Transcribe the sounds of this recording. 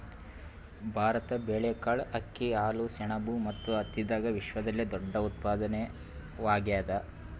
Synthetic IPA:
bʱaːɾɐt̪ɐbeːɭekaːɭɐkːiaːlusɛɳɐbumɐt̪ːuɐt̪ːid̪aːɡɐʋiʃʋɐd̪ɐlːid̪ɔɖːɐut̪̚paːd̪ɐne | ʋaːɡjaːd̪ɐ

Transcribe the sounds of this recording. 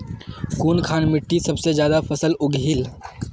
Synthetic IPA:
kuːnkʰaːnmɪʈːisɐbsed͡ʒjaːd̪afəsəlʊɡʱɦil

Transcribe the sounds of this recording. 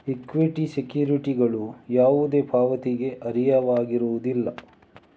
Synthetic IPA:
ikʋiʈisekjuːɾiʈiɡɐɭujaːʋud̪e̞ːbʰʱaːʋɐt̪iɡe̞ʔɐɾijɐʋaːɡiɾuʋud̪ilːɐ

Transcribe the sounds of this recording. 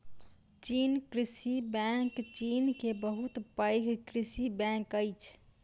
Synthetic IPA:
t͡ʃinkɾisibɛ̃kt͡ʃinkebəɦut̪pəɪɡʱkɾisibɛ̃kəɪt͡ʃʰ

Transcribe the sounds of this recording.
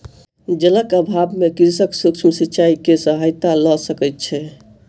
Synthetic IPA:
d͡ʒələkəbʱabmekiɾsəksukt͡ʃʰmsitːt͡ʃaikesəɦajt̪alɔsəkɛt̪̚t͡ʃʰɛ

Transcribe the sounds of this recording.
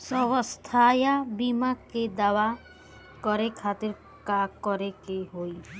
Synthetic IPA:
sɔβɔst̪ʰajabimaked̪awa | kɔɾekʰat̪iɾ | kakɔɾekeɦoj

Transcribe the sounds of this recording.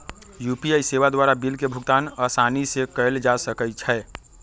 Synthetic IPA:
jupiaiseʋad̪waɾabilkebʱuɡt̪aːnəsanisekəɪld͡ʒasəkət͡ʃʰɛ

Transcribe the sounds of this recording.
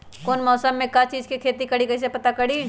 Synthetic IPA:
koːnmɔːsəmːẽkat͡ʃiːd͡ʒkikʰeːt̪ikɐɽikɐːs̬epɐt̪akɐɽi

